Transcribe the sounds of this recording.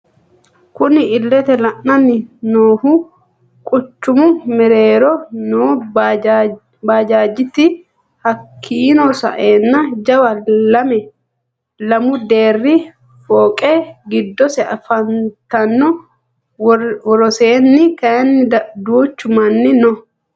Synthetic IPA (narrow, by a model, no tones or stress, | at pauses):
kʊnɪɪlːɛt̪ɛlɐʔːɐnɪnoːhu | kʼʊt͡ʃːʊmʊmɛɾeːɾɔnoː | baːd͡ʒaːd͡ʒːɪt̪ɪ | hɐkʰːiːnɔsɐ̰ʔeːnːɐd͡ʒɐwɐlɐmɛ | lɐmʊd̪eːrːi | foːkʼeːɡɪd̪ːɔsɛɐfɐnt̪ɐnːɔ | wɔɾɔseːnːɪkɐnːɪd̪uːt͡ʃːʊmɐnːɪnɔ